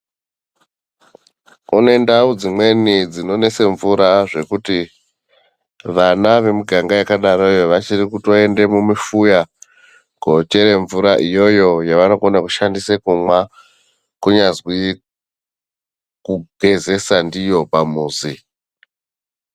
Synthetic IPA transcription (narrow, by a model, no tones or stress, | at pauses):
une̞ndaud͡zimwe̞nid͡zino̞ne̞se̞ɱvuɾaʐe̞kuti | ʋanaʋe̞muɡʱaŋɡajakaɗaɾojoʋat͡ʃirikutoe̞nde̞mumifuja | ɡ̥ʱo̞t͡ʃe̞ɾe̞ɱvuɾaʔijo̞jo̞jaʋano̞konakuʃandisekumwa | kuɲazwi | kuɡʱeze̞sandijo̞pamuːzi